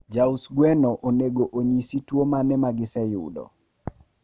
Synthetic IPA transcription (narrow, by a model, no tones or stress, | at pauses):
d͡ʒausɡwɛnɔʔoneɡoʔoɲisitwomanɛmaɡɪsɛjʊ̰dɔ̰